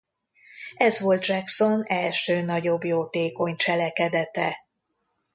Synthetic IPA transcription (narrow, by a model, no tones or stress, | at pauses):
ɛzʋo̞lt̪ʒɛkso̞nɛlʃøːnɒɟo̞bjoːt̪eːko̞ɲt͡ʃɛlɛkɛd̪ɛt̪ɛ